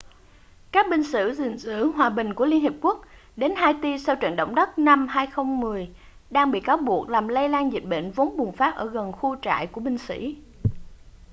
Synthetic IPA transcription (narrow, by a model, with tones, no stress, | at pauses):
kaː˦˥k̚ɓï˧ŋ̟sɨ̰˧˥zḭ˧˨˩ŋsɨ̰˧˥ɦwaː˨˩ɓï˨˩ŋ̟ku˧˩əli˧ənhi˨˩p̚ku˦˥ək̚ɗe˨˦nɦaː˧jt̪i˧sa˧wt͡ɕə̰˧˨nɗə̰˧˨wŋ͡mɗə˦˥t̚na˧mɦaː˧jxə˧wŋ͡mmɨ˨˩əj | ɗaː˧ŋɓḭ˧˨kaː˨˦wɓu˨˩ək̚laː˨˩mlə˧jlaː˧nzi˨˩t̚ɓḛ˧˨nvo˨˦wŋ͡mɓʊ˨˩ŋ͡mfaː˦˥p̚ʔəː˧˩ɣə˨˩nxu˧t͡ɕa̰ː˧˨jku˧˩əɓï˧ŋ̟sḭ˧˥˨